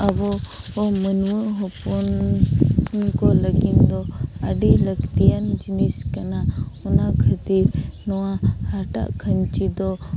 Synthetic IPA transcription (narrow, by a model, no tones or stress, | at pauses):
abɔ | ɔmənuwəɦɔpɔn | kɔləɡind̪ɔaɖiləɡt̪ijand͡ʒiniskanaɔnakʰət̪iɾnɔwahaɾʈa̰ʔkʰəɲt͡ʃid̪ɔ